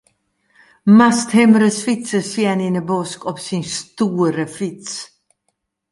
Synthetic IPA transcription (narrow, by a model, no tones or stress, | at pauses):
mast̪hɛmɾəsfit̪səsininəbɔskɔpsinst̪uːɾəfɾit̪s